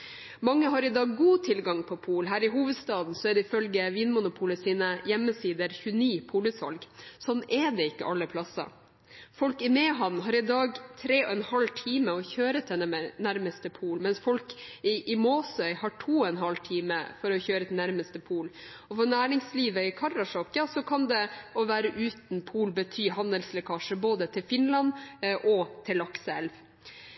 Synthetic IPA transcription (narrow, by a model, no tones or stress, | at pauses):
mɑŋːəɦɑɾɪd̪ɑːɡːuːt̪ʰɪlɡɑŋpʰɔpʰuːlɦæːɾɪɦuːʋəd̪st̪ɑːd̪n̩sɔɛɖ̪ɛɪfœlɡəʋiːnmʊnʊpʰuːləsiːnəjɛmːəsiːd̪əɾçʉəniːpʰuːləsɑ̰lɡsɔnʔɛd̪ɛɪkːə̰ʔɑlːəpʰlɑsɑ̰ | fɔlkɪmɛːɦɑnɦɑːɾɪd̪ɑːɡt̪ʰɾeːɔɛnhɑlt̪ʰiːməɔçøːɾət̪ʰɛəɛnæɾməst̪əpʰuːlmɛnsfɔlkɪʔɪmoːsœʏhɑʈʰuːɔɛnɦɑlt̪ʰiːmə̰fɔɾɔçøːɾət̪næɾməst̪əpʰuːl | ɔfɔɾnæːɾɪŋsliːʋəɪkʰɑɾɑʂɔkjɑsɔkʰɑnd̪ɛɔʋæːɾəʔʉːt̪n̩pʰuːlbət̪ʰyːhɑnəlslɛkʰɑːʂəboːd̪ət̪ʰɪlfɪnlɑnʔɔt̪ʰɪlɑksəɛlʋ